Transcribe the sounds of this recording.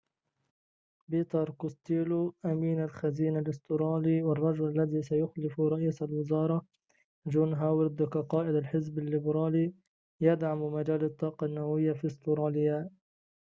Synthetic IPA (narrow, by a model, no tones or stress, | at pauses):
biːt̪ɑɾˤkʊst̪iːluʔamiːnalxaziːnalɪst̪ʊɾɑːliwɪrˤːɑd͡ʒʊlalːaðiːsajʊxlɪfɾˤɑʔiːsalwɪzɑːɾˤɑ | d͡ʒuːnɦawɪɾd̪ʊkaqɑːʔɪd̪alħɪzbɪlːɪbɾɑːli | jad̪ʕammad͡ʒaːlɑt̪ˤːɑːqɑnːawawɪjːafist̪ʊɾɑːlɪja